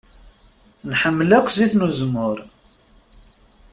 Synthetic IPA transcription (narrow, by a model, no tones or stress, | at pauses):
nħəmːlækʷːziθnuzmʊɾ